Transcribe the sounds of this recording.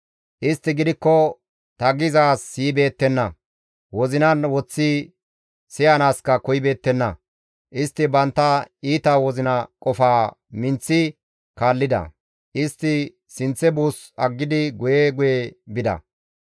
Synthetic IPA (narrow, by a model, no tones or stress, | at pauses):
ʔɪst̪ːɪɡɪd̪ɪkːɔ | t̪ɐɡɪzaːsːiːbe̞ːt̪ːɛnːɐ | wɔzɪnɐnwɔt͡sːi | sɪjanaːskɐkɔjbe̞ːt̪ːɛnːɐ | ʔɪst̪ːɪbɐnt̪ːɐiːt̪ɐwɔzɪnɐkʼɔfaːmɪnt͡sːɪ | kaːlːɪd̪ɐ̰ | ʔɪst̪ːɪ | sɪnt͡sːɛbuːs | ɐɡːɪd̪ɪɡʊjɛɡʊjebɪd̪ɐ̰